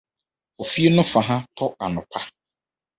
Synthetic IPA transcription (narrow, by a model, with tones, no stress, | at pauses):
o˨fi˦e˦nʊ̃˦fa˨ɦã˦tʰɔ˦a˨nʊ̃˨pʰa˦